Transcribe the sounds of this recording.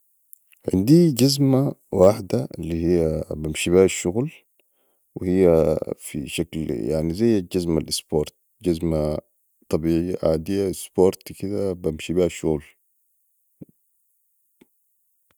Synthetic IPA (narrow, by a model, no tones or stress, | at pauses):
ʕɪ̰nd̪iɟazmawaːħd̪aḭlːihijːabamʃibihaʃːuɣl | wḭhijːafḭʃaklja̰ʕnizajːad͡ʒazmalʔisboːɾˤt̪̚ | d͡ʒazma | t̪ˤɑbiːʕijːaʕaːd̪ijːaisboːɾˤt̪kid̪abamʃibihaʃːuɣl